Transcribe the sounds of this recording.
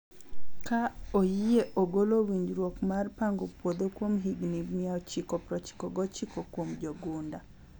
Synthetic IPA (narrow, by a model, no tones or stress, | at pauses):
kaojijeʔoɡolowiɲd͡ʒɾwokmarpaŋɡopwod̪okwomɦiɡnimiaɔt͡ʃikɔpɾɔt͡ʃi̥kɔɡɔt͡ʃikokwomd͡ʒoɡunda